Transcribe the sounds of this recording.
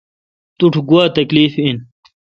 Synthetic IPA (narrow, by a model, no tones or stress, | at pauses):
t̪uʈʰɡuwaːt̪ɐkliːfin